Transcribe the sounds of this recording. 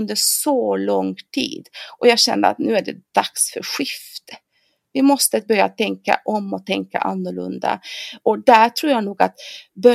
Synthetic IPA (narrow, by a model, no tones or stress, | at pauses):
ɵnd̪əɾsɔlɔŋt̪ʰḭːd̪ʔɔjɑːɡɕɛ̰nd̪əa̰t̪nʉ̟ːæɖɛ̰d̪̥aksfœ̰ɾɧɪft̪ | vɪmɔst̪əbœɾjat̪ʰɛŋka̰ʔɔmːɔt̪ʰɛŋka̰ʔanːʊɭɵ̰nd̪a̰ʔɔd̪æɾʈʰɾuːɾjɑːnuːɡat̪bœ